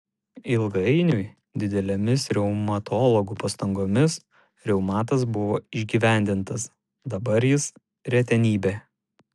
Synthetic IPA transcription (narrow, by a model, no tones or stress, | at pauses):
ɪlˠɡɐɪnʲʊɪ | d̪ʲɪd̪ʲɛlʲɛmʲɪsɾʲɛʊmɐt̪ʰɔːlˠɔɡupɐst̪ɐŋɡoːmʲɪs | ɾʲɛʊmɑːt̪ɐs̬bʊʋoːɪʒʲɡʲiːʋʲæˑnʲd̪ʲɪnt̪ɐs | d̪ɐbɐɾjɪs | ɾʲɛt̪ʲɛnʲiːbʲeː